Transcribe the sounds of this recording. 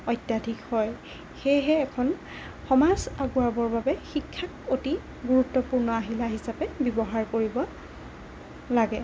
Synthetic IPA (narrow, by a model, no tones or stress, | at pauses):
ɔjtːjadʱikhɔj | xejɦɛːkʰɔn | xɔmazaɡuabɔɹbabɛxikʰːak̚oti | ɡuɹutːɔpuɹnɔaɦilaɦisapɛbibɔɦaɹkoɹibɔ | laɡɛ